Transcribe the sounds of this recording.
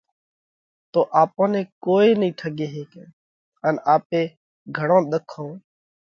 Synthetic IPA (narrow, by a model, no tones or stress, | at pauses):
t̪oːʔaːpõːnẽːkoːeːnĩːʈʰəɡeːɦeːkẽː | ənaːpẽː | ɡʱəɽõːɗ̪əkʰːõː